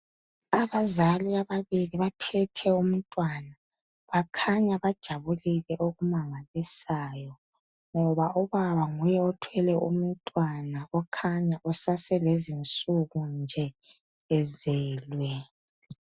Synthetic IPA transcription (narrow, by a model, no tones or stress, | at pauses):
aβazaliaβaβiliβapʰɛtʰɛum̩tʼwana | βakʰaɲaβad̥ʒ̥ʱaβuliɣɛʔoɣumaŋalisaːjɔ | ŋɔβaɔβaβaŋujɛɔtʰwɛlɛʔṵm̩tʼwanaɔkʰaɲaʔɔsasɛlezint͡sʼuɣund͡ʒʱɛː | zɛːlwɛ